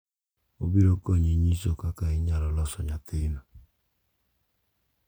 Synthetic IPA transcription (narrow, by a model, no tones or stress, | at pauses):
o̰biɾokoɲiɲisokakaiɲaɾɔlɔsɔɲatenɔ